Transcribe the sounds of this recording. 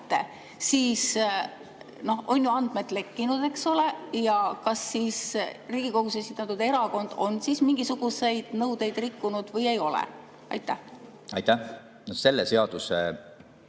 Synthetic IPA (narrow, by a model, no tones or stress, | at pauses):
t̪ːḛ | siːs | no̞ho̞njuɑnd̪̥̚me̞t̪ˑle̞kːinud̪̥e̞kso̞le̞jɑkɑsːiːsriːɡ̥iko̞ɡ̥usesit̪ːˑɑt̪ːˑud̪̥e̞ɾɑko̞nd̪̥o̞nsismiŋɡ̥isuɡ̥usejd̪̥nɤwd̪e̞jd̪̥rikːunud̪̥vɤje̞jo̞lɛ̰ | ɑ̰jt̪ːˑæh | ɑjt̪ːæ | nose̞lːeseɑd̪̥use